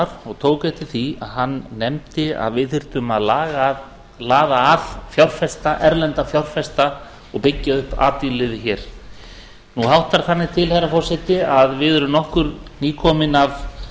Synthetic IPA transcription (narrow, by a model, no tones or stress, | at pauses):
aɾɔɣt̪ʰoːwkajt̪ɪθia̰ðɦanːɛmt̪ɪa̰ðvɪðθɪr̥t̪ʏmaðlaːɣa | laːðaːðfjawr̥fɛst̪aʔɛɾlɛnt̪afjawr̥fɛst̪a | ɔɣpɪcːaʏhpa̰ːt̪ilɪːðɪçɛːɾ̥ | nuɦawht̪aɾ̥θanːɪ̥t̪ʰɪlhɛjrafɔr̥sɪht̪ɪaðvɪðɛɾʏmnɔhkʏɾniːkʰɔːmɪnav